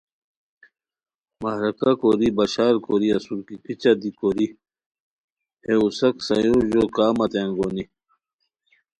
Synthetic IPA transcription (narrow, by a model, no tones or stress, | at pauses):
mɐɦɾɐkakoɾibɐɕaːɾkoɾiɐsuɾkikit͡ɕad̪ikoɾi | heusɐksɐjoʑokaːmɐt̪aŋɡoːni